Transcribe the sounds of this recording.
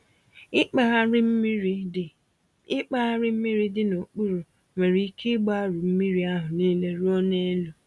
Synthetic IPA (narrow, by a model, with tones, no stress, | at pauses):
ɪ˦k͡pa˦a˦ɾɪ˦m̩˦mi˦ɾi˦dɪ˨no˨k͡pu˦ɾu˨ | me˨ɾi˨i˦kʰi˦ɡ͡ba˦ɾu˨m̩˦mi˦ɾi˦a˦ɦʊ˨niː˦le˦ɾu˦o˦ne˦e˦lu˦